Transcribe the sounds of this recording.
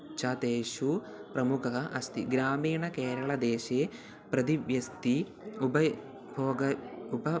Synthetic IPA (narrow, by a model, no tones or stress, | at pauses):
t͡ʃat̪eːʃu | pɾɐmukʰɐɦɐʔɐst̪ḭɡɾaːmiːɳɐkeːɾɐɭɐd̪eːʃeː | pɾɐd̪iʋʋjɐst̪i | ubɐ | bʱɔːɡɐubɐ